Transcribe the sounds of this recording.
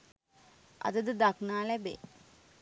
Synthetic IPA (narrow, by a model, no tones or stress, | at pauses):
ɐ̰d̪əd̪əd̪aknaːlɛbḛ